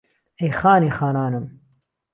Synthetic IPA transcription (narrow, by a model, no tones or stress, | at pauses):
ejxaːniːxaːnaːnɨm